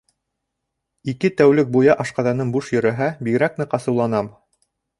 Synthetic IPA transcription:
ikɘt̪æwlɘk̚bujɑʔɑʃqɑðɑnɤnbuʃjɵ̆ɾæɦæbiɡɘ̆ɾæk̚nɘqɑsɤ̆wlˠɑnɑm

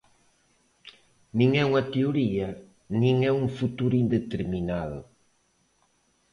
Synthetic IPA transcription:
nĩŋɛuŋɐt̪euɾiɐ | nĩŋɛuŋfut̪uɾʊind̪et̪eɾminaðʊ̰

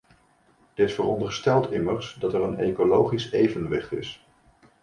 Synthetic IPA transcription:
d̥ɪsfərɔndəɹstɛlˠtʰɪməɹsdɑtɛrənejkolowχisejvənʋɪχtɪs

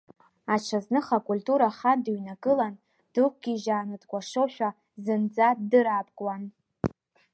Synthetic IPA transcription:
aʈ͡ʂʷʰaznɨχakʼultʼuɾaχandɨɥnakʼɨlan | d̥ɨk̚ʷʰʼɡʲiʒaːnɨdkʷʼaʂoʃᶣʷa | zɨnd͡zatdɨɾapʼkʼwan

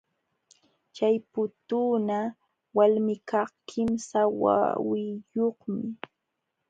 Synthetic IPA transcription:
t͡ʃajpʊt̪uːna | walmɪkɑχkʰɪmsawa̰wɪjoχmɪ

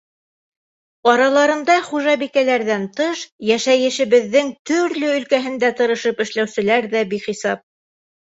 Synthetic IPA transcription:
ɑɾɑlˠɑɾɤ̆nd̪ɑχuʒɑbikælæɾðænt̪ɤʃjæʃæjɘ̆ʃɘ̆βɘ̆ðːɘŋt̪ɵ̆ɾlɵɵ̆lkæɦɘ̆nd̪æt̪ɤ̆ɾɤ̆ʃɤpɘ̆ʃlæwsɘ̆læɾðæbiχisɑp̚

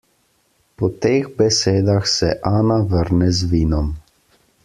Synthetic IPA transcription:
pɔt̪eːɣbɛseːd̪axsɛʔaːnaʋəɾnɛzʋiːnɔm

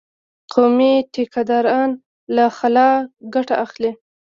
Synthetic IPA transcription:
qʰomiʈekad̪ɑɾɑn | laxalɑɡaʈaaxli

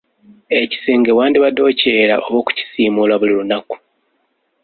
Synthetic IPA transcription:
e̞ci̥seːŋɡewaːndiβado̞ːceɾaʔo̞βo̞ːku̥ci̥siːmulaβulilunaku̥

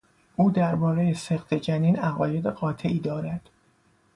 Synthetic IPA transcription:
ʔuːd̪æɾbɒːɾe̞jeseχt̪ʰe̞d͡ʒæniːnæɣɒːje̞d̪eɢɒːt̪ʰe̞ʔiːd̪ɒːɾæd̪̥

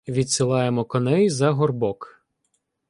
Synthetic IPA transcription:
ʋʲid̪sɪlˠɑjemɔkɔnɛjzɐɦɔrbɔk

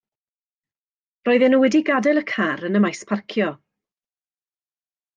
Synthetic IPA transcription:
rɔːɨðɛnuwɛdiɡadɛlˠəkʰaɾənəmajspʰarkʰjɔ

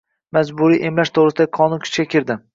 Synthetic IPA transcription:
mazbʊɾiʔemlaʃt̪ʰoʁɾɪsɪd̪akʰɒnʊnkʲʰʊ̥t͡ʃkʲakʲʰɪɾd̪ɪ

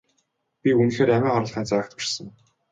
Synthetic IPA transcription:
pʲiun̆ɮeːɾæmæːχɔɾə̆ɮχiːnt͡sæːkt̪pirsə̆ŋ

